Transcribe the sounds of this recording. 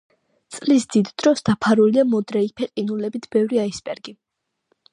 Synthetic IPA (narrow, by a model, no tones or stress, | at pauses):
t̪sʼlisd̪id̪d̪̥ɾɔsd̪̥apʰaɾuliamɔd̪ɾɛipʰɛqʼinulɛbit̪ʰb̥ɛvɾiaispʼɛɾɡi